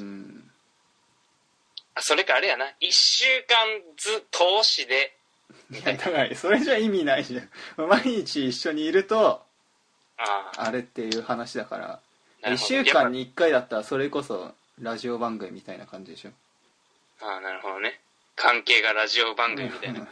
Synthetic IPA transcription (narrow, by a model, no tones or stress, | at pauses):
ɯ̟̃ː | aso̞ɾekaːɾejanaiɕɨːkãnd͡zɨt̪ʰo̞ːɕid̪e̞ | jat̪ʰakaiso̞ɾe̞ʑaimʲinaiʑãmmaiɲ̟it͡ɕiːɕːo̞ɲ̟iːɾɯ̟t̪o̞ | aːaɾe̞t̪ːe̞jɯ̟ːhanaɕid̪aka̰ɾa̰ | naiɕːɨːkãɲ̟ːiːkːaid̪at̪ːaɾaso̞ɾe̞ko̞so̞̰ | ɾaʑio̞bãŋɡɯ̟mʲimit̪ainakãɲ̟d͡ʑid̪eɕo̞ | aːnaɾɯ̟ho̞d̪one | kʰãŋke̞ːɡaɾaʑiobãŋɡɯmiit̪ai